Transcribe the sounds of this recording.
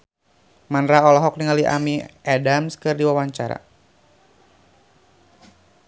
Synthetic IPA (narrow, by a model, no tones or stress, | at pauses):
manɾaɔlɔɦɔk̚niŋaliʔa̰miadamskɨrdiwawaɲt͡ʃaɾa̰